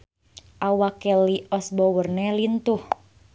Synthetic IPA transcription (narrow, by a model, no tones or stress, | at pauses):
ʔawakɛliɔsbɔwərnɛlint̪uh